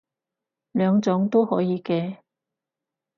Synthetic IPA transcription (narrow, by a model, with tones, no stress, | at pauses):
lœː˨˧ŋt͡sʊ˨˥ŋt̪o˥whɔ̰ː˨˥jiː˨˧kɛː˧